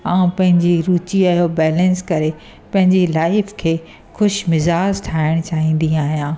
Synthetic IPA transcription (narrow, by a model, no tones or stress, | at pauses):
aːũpɐ̃ɦɪ̃ɲd͡ʑiɾuːt͡ɕiajobɛːlɛ̃nskɐɾe | pɐ̃ɦɪ̃ɲd͡ʑilaːɪfkʰeː | xʊʃmɪzaːd͡ʑʈʰaːɪɽ̃t͡ɕaːɦĩːn̆d̪ĩaːɦijãː